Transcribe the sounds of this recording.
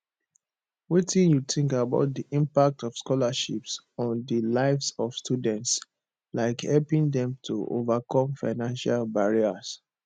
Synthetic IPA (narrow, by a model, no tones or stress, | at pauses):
witĩnjuθĩŋkaba̰ʊt̚diʔĩmpak̚tɔfskɔlaʃips | ɔ̃ndəlaɪfsɔv̥stʰudɛ̃nts | laɪkhɛlpĩŋdɛ̃mtʰṵʔo̰vakʰɔ̃mfaɪnãnʃalbaɹias